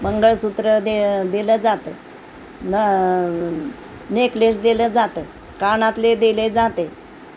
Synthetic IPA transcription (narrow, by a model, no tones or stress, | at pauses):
məŋɡəɭsut̪ɾəd̪ed̪eləd͡zat̪ə | nə | neklesd̪eləd͡zat̪ə | kanãt̪led̪eled͡zat̪e